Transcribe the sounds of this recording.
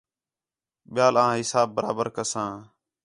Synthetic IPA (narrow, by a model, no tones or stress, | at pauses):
ɓɪjaːlãːɦɪsaːbːəɾa̰ːbəɾkəsãː